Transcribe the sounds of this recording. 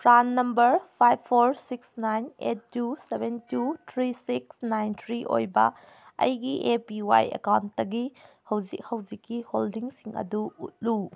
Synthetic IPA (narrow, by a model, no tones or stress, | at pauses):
pʰɾanːɐmbɐɾpʰajbʰoɾsiksnajnḛt̚ːusebentutʰɾisiksnajntʰɾiʔo̰jbɐ̰ | ɐ̰jɡiʔepiwa̰jḛkawntːɐɡi | hɐwzik̚hɐwd͡ʒikːiholdiŋsiŋɐ̰duut̚lu